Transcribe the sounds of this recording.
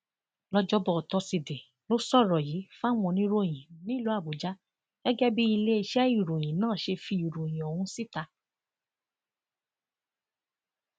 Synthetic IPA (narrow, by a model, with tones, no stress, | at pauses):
lɔ˧d͡ʒɔ˦bɔ˧˨tɔ˧si˧de˨ | lo˦sɔ˦˨ɾɔ˨ji˨˦fa˦wɔ̃˧nĩ˦ɾo˧˦˨j̃ĩ˨nĩ˨˦˨lu˨˦a˦˨bu˨d͡ʒa˨˦ | ɡ̥ɛ˦ɡɛ˦bi˦i˧le˦i˧ʃɛ˦i˦˨ɾo˨j̃ĩ˨nãː˦˨ʃe˧fi˧i˨ɾo˨j̃ĩ˨ɔ˨w̃ũ˧˦si˦ta˧